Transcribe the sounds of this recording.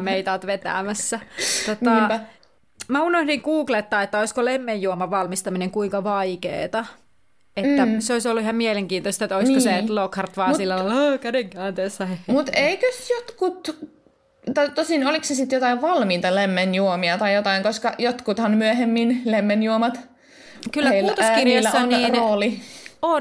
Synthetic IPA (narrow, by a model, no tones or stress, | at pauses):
meit̪ɑt̪ʋet̪æ̰ːmæssːæt̪ot̪ɑpæ | mæunohdiŋkuːklet̪ːɑːet̪ːæoiskolemːejjuomɑʋɑlmist̪ɑmineŋkuiŋkɑʋɑikḛːt̪ɑ | et̪ːæseoisolːuihɑmmieleŋkiːnt̪oist̪ɑet̪ːoiskoselokhɑrt̪ʋɑːsilːælɑlːkædeŋkænt̪eːsːæhehmut̪eikøsjot̪kut̪ | t̪ɑit̪osinoliksesit̪jot̪ɑiʋʋɑlmiːt̪ɑlemːenjuomiɑt̪ɑijjot̪ɑiŋkoskɑjot̪kut̪hɑnmyæhemːinlemːenjuomɑt̪ | kylːæmuːtt̪oskirɑlsːɑniːroːlion